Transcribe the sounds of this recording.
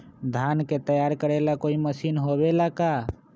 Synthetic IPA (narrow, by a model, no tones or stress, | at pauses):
d̪ʱanket̪əjaɾkəɾelakoːiməsiːnɦobelaka